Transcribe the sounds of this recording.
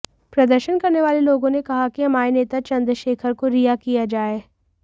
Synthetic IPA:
pɾɐd̪əɾʃənkɐɾneʋaːleloːɡõnekɐɦakiɦɐmaːeneːt̪at͡ʃɐ̃nd̪ɾʃeːkʰəɾkoɾijakijad͡ʒaːeː

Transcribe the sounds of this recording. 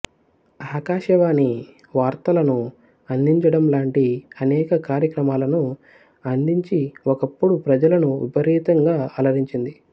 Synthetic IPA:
aːkaːʃɐʋaːni | ʋaːɾt̪ɐlɐnu | ɐnd̪iɲt͡ʃɐɽɐmlaːɳʈiɐnɛːkɐkaːɾjɐkɾɐmaːlɐnu | ɐnd̪iɲt͡ʃiɔkɐpːuɽupɾɐd͡ʒɐlɐnuʋḭbɐɾiːt̪ɐŋɡaːɐlɐʋiɲt͡ʃind̪i

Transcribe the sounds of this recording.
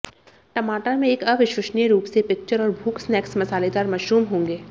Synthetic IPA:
ʈɐmaːʈəɾmẽeːkɐʋɪʃʊʃnjeɾuːpsepɪk̚t͡ʃəɾɔːɾbʱuːksnɛːksmɐsaːled̪aːɾmɐʃɾuːmɦõːŋɡeː

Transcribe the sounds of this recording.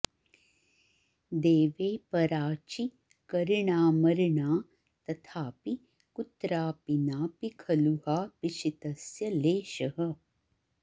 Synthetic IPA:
d̪eːʋeːpɐɾaːt͡ʃi | kɐɾiɳaːmɐɾɳaː | t̪ɐt̪ʰaːpi | kut̪ɾaːpinaːpikʰɐluhaːpiʃit̪ɐsjɐleːʃɐɦɐ

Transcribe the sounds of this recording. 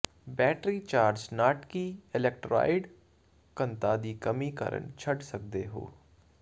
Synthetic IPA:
bɛːʈɾit͡ʃaːɾd͡ʒnaːʈkiɪlɛk̚ʈɾa̰ːɪɖ | kə̃nt̪aːd̪ikɐmikə̰ɾə̰ɳt͡ʃʰəɖsɐk̚d̪eɦo̰ː

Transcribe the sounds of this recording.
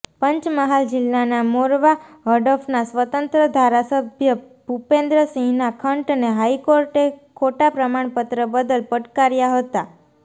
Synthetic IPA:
pəɲt͡ʃməɦald͡ʒɪlːanamoɾʋaɦəɖəfnasʋət̪ənt̪ɾəd̪ʱaɾasəbʱjə | bʱupẽnd̪ɾəsĩŋnakʰəɳʈneɦaikoɾʈekʰoʈapɾəmaɳpət̪ɾəbəd̪əlpəʈkaɾjaɦət̪a

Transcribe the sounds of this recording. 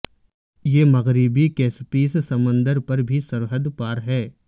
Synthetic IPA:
jeːmɐɣɾɪbikeːspiːssɐmə̃nd̪əɾpɐɾbʱisɐɾɦəd̪paːɾɦɛː

